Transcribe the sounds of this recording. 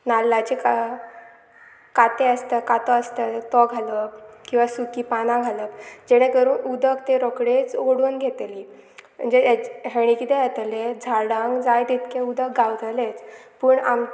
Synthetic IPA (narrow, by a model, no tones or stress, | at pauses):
nalːat͡ɕeka | kat̪eəst̪əkat̪ɔəst̪ət̪ɔɡʱaləkkĩw̃ʋasukipanãɡʱaləkd͡ʑɛɽ̃ẽkəɾuːnud̪əkt̪eɾɔkɽet͡soɽunɡʱet̪liːm̤ə̰ɳd͡zeɦeɽ̃ikit̪eat̪led͡zʱaɽaŋɡd͡zajd̪it̪keud̪ək̚ɡawd͡zʱalet͡spəːɳam